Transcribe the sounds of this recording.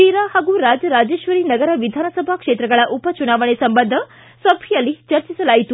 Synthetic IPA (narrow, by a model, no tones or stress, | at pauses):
iɾahaːɡuɾaːd͡ʒɐɾaːd͡ʒeːʃʋɐɾinɐɡɐɾɐʋid̪ʱaːnɐsɐbʱakʂeːt̪ɾɐɡɐɭɐʔupɐt͡ʃunaːʋɐɳ̃esɐmbɐnd̪ʱɐ | sʋɐbʰʱijɐlːit͡ʃɐɾt͡ʃisɐlaːɦit̪u